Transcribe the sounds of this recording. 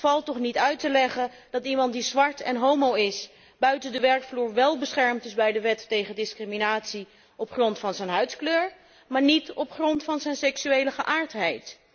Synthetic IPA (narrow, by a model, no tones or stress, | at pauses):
fɑlˠtɔχnitœɥtəlɛχən | d̥ɑtimɑntdizʋɑɹtɛ̰nɦowmowɪs | b̥œɥtəndəʋɛɹkfluːɹʋɛlˠbəsχɛɹmtɪzbɛjdəʋɛtːejχəndɪskriminaːtsi | ɔpχrɔntfɑnzɛnɦœɥtskløːɹ | maːɹnitɔpχrɔntfɑnzɛjnsɛksyejləχəʔaːɹtɦɛjt